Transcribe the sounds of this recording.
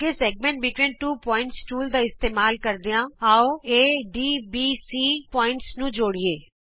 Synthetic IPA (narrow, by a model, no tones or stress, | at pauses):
ɡeːsɛːɡ̚mɛ̃ːɳʈ̚bɪʈʋĩːnʈuːpɔːɪ̃ɳʈsʈuːld̪aːɪst̪eːmaːlkəɾd̪ejãːaːoeːɖiːbiːsiːpɔːɪ̃ɳʈsnũːd͡ʒoːɽieː